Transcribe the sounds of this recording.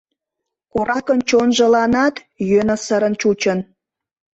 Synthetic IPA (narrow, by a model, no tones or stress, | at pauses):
koɾɑkənt͡ɕonʒə̆lɑnɑt̪ | jønə̆səɾənt͡ɕut͡ɕən